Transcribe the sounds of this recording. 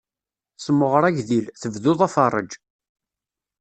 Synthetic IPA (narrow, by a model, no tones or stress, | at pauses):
səmːəʁəɾˤæʝðilθəvðʊðˤæfɑrˤːə̰d͡ʒ